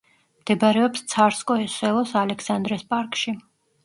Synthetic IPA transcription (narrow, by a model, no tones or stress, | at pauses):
md̪̥ɛbɾɛɔpst̪sʰaɾskʼɔɛsɛlˠɔsalɛksand̪ɾɛspʼaɾkʼʃi